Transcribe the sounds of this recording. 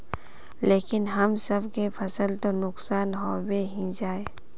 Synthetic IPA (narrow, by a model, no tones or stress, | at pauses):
leːkɪnɦɐmsəbkepʰɐsəlt̪onʊksaːnɦoːbeɦĩd͡ʒaːeː